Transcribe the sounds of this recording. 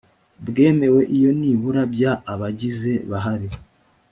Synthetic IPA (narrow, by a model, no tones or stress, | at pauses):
bɡe̞ːme̞we̞ʔijo̞niβuɾabjaːβaɟize̞βaɦaɾi